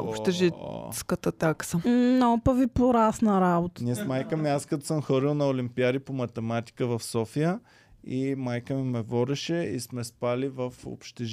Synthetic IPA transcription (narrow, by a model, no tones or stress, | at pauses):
o̰pʃt̪ɛʒiskət̪ət̪aksənɔpəvipoɾasnəɾabot̪ə̥niɛsmajkəmiaskɐt̪ɔ̥səmxɤɾlilˠnɐolimpiad̪ipomɐt̪ɛmat̪i̥kəvɐfsɔfijə | imajkəmimɛvɔɾɛʃɛḭsmɛspalivəfo̰pʃt̪ɛʒ